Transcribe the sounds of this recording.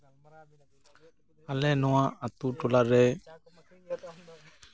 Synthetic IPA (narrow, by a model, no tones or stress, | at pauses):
alɛnɔãat̪uʈolaɾɛ